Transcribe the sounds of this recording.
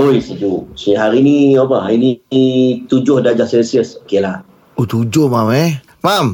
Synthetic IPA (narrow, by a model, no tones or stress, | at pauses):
ojsid͡ʒusiɦaɾiniobaɦaini | t̪ud͡ʒʊhdad͡ʒasɛnsiəsokelah | ot̪ud͡ʒʊhmamɛ | mam